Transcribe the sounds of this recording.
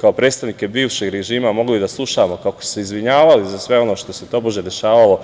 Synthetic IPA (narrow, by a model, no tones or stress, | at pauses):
kaopɾet̪st̪aʋnike̞biːʋʃe̞ɡɾeʒiːmamo̞ɡlid̪aslˠuʃamo̞kakoi̥seizʋiɲaːʋalizasʋe̞o̞no̞ːʃt̪oset̪o̞ːboʒed̪e̞ʃaːʋalo̞